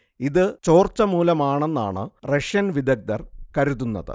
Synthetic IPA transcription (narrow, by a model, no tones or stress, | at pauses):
iðɨt͡ɕo̞ːrt͡ɕɐmuːlɐmaːɳenːa̰ːɳɨ̰reʂjɐnʋid̪ɐɡ̚d̪ɐrkɐɾuðunːɐ̰ðɨ̰